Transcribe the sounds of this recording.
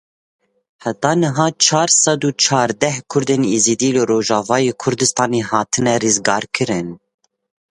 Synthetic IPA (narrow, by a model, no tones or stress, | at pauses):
hɛt̪ɑːnɨɦɑːt͡ʃʰɑːɾsɑd̪uːt͡ʃʰɑːɾd̪ɛhkʰʊɾd̪eːnizid̪iːlɨɾoːʒɑːvɑːjeːkʰʊɾd̪ɨst̪ɑːneːhɑːt̪ʰɨnɛrɨzɡɑːɾkʰɨɾɨn